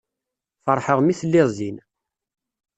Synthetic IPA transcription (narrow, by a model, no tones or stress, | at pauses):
fəɾˤħəʁmiθəlːɪzin